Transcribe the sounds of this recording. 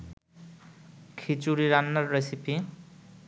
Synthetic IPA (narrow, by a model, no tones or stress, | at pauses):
kʰit͡suɾiɾanːʌrːesipʰi